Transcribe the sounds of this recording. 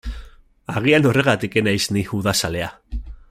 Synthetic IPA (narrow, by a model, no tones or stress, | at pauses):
aɣ̞iano̞re̞ɣ̞at̪ike̞najsniuðasale̞a